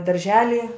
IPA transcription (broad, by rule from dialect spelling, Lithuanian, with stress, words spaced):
dɐrʲˈʒʲæːlʲɪ